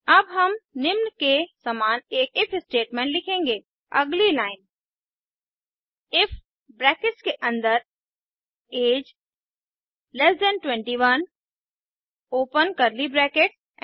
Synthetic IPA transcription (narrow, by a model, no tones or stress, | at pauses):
ɐbɦəmnɪmnkesəmaːneːk̚ɪpʰɪsʈeːʈmẽːɳʈlɪkʰẽːŋɡe | ɐ̰ɡlilaːɪn | ɪpʰ | bɾɛːkɪʈskeʔə̃nd̪əɾ | eːd͡ʒ | lɛsd̪ɛnʈwɛ̃ɳʈiʋən | oːpənkəɾlibɾɛːkeʈs